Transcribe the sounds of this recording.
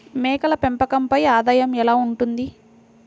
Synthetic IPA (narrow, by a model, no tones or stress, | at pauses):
mɛːkɐlɐpempɐkɐmpɐjaːd̪aːjɐmɛlaːuɳʈund̪i